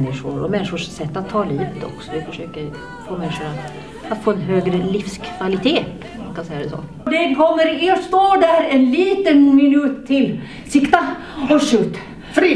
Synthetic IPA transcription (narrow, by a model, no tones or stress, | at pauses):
nːɪʂʊɾɔ̰mɛnːɪʂʊʂsɛt̪ːat̪ʰːɑːliːvət̪ɔ̰ksɔʋɪfœʂøːkəɾ | foːmɛnːɪʂʊɳa | at̪foːɛnɦøːɡɾəlifskʰvalɪt̪ʰeː | maŋkʰansɛjːad̪ɛsɔ̰ː | dɛkʰɔmːəɾɪst̪oːɖæɾɛnliːt̪ənmɪnʉːt̪ʰːɪl | sɪkt̪a | ɔʂʉːt̪ | fɾ